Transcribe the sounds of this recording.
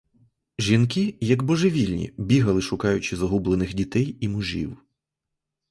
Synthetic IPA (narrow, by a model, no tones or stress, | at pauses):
ʒinkijɐɡbɔʒeʋʲilʲnʲḭbʲiɦɐlˠɪʃʊkɑjʊt͡ʃɪzɐɦublˠenɪxdʲit̪ɛjimʊʒḭw